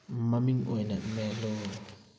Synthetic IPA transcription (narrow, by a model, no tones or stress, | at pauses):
mamiŋwɛnamɛlɔ